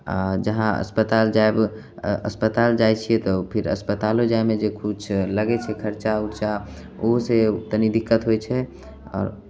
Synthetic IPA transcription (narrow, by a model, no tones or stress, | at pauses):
a̰d͡ʒəɦãə̰spət̪ald͡ʒaeb | ə̰spət̪ald͡ʒajt͡ʃʰijet̪ɔpʰɪɾə̰spət̪alod͡ʒaemẽd͡ʒekut͡ʃʰləɡɛt͡ʃʰɛkʰəɾt͡ʃauʈt͡ʃa | oɦseʊt̪ənid̪ɪkːət̪ɦojt͡ʃʰɛ | ɔ̰ːɾ